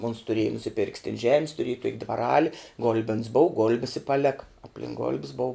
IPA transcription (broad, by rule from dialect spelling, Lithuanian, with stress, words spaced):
oːns tʊˈrʲeːjɛ nʊsʲɪˈpʲɪrʲkʲs tʲɪn ʒʲɛmʲs tʊˈrʲeːj toːkʲ dʋɐˈrɑːlʲɪ ˈɡʊlʲbʲɛns boːʊ ˈɡoːlʲbʲɪs ɪ pɐˈlʲæːkɐ ɐpʲˈlʲɪŋk ɡoːlʲpʲs boːʊ